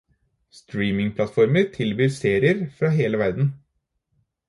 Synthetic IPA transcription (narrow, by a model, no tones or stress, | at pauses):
st̪ɹiːmɪŋpʰlɑt̪fɔɾməɾʈʰɪlbyːɾseːɾɪəɾfɾɑːɦeːləʋæɾd̪n̩